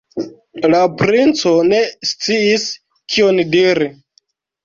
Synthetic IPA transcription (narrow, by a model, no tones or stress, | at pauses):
lapɾint͡so̞ne̞st͡siis | kʰiondiɾi